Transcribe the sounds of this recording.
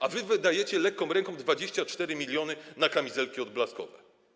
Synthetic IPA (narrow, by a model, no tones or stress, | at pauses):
avɘvɘd̪ajɛt͡ɕɛlɛkːɔ̃mɾɛŋkɔ̃md̪vad͡ʑeɕt͡ɕat͡ʂt̪ɛɾɘmʲilʲjɔnɘnakamʲizɛlkʲiɔd̪̚blaskɔ̰vɛ